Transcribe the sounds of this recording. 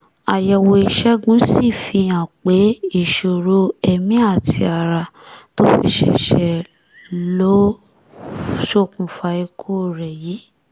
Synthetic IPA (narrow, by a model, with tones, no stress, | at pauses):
a˨jɛ˧wo˧i˧ʃɛ˦ɡũ˨˦si˦˨fi˧ã˨k͡pe˨˦i˦˨ʃo˨ɾo˧ɛ˧mĩ˦a˦˨tʰi˧a˨ɾa˧to˦fḭ˧ʃɛ̰˧˨ʃɛ˧˨ | lo˦ | ʃo˦˨kũ˨fa˧i˧kʰo˦o˨ɾɛ˨ji˨˦